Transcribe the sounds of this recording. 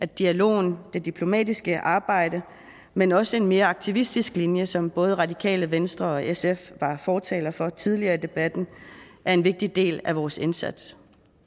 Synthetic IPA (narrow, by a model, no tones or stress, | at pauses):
æd̥iælo̝̰ːn̩d̥e̝d̥ipʰlo̝mɛ̰ːd̥isɡ̥əʔɑ̈ːb̥ɑ̈ɪ̰ɾ̥ə | menɒ̽səe̝nme̝ːɐɑ̈ɡ̥̚t͡sʰiʋisd̥isɡ̥linjəsɒ̽mb̥ɔ̽ːð̞ˠʁɑ̈d̥ikʰɛ̰ːləʋensd̥ʁɐɒ̽esefʋɑ̈fɒːt͡sʰɛ̰ːlɐfɒ̽t͡sʰið̞ˠliɐːid̥e̝b̥æd̥n̩ʔæɐe̝nʋe̝ɡ̥̚d̥id̥e̝̰ːlæʋɒːse̝nsæd̥s